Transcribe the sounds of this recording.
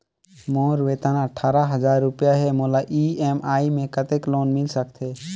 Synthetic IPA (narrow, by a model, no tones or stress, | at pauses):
moːɾʋeːt̪aːnaəʈʰaːɾaɦəd͡ʒaːɾːʊpjaɦɛmolaʔieːmaːimẽkət̪ekloːnmɪlsəkt̪ʰe